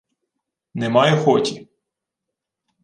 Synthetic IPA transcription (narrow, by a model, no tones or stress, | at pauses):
nɛmɑjɛxɔtʲi